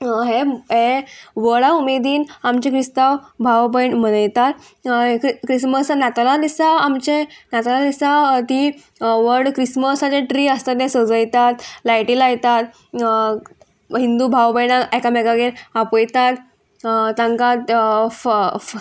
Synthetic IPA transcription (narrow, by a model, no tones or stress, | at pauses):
ɦeɦeʋəɭaumed̪iːnamt͡ɕẽkɾist̪awbʱawbəjɳmənəjt̪at̪ | kɾisməsnat̪alad̪isaːmt͡ɕenat̪alad̪isat̪i | ʋəɾɽkɾisməsat͡ɕeʈɾiːəst̪at̪ẽsəd͡zəjt̪at̪lajʈilajt̪at̪ | ɦind̪ubʱawbəjnaɛkamɛɡaɡeɾapəjt̪at̪ | t̪ːãŋkat̪